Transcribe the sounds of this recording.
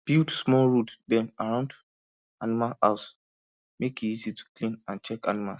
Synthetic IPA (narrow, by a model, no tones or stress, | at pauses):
b̥ildsmɔlɹutdɛ̃naɹãʊ̃nd | animala̰ʊs | mekiizitʰu̥klĩnãnt͡ʃɛka̰nima̰ls